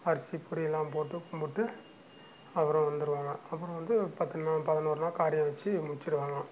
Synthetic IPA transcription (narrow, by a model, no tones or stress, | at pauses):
ɐɾɐsːipːʊɾɪjɛlːãːmpoːʈːɯkʊmbɯʈːɯ | ɐʋɐɾɐ̃ʋɐnd̪ɯɾɯʋaːŋɡɐɐpːɯɾɔ̃ʋɐnd̪ɯpɐt̪ːɯnnaːpɐðɐnoːɾɯnaːkaːɾɪjɐ̃ʋɐt͡ʃːɯmʊt͡ʃːɪɾɯʋaːŋɡɐ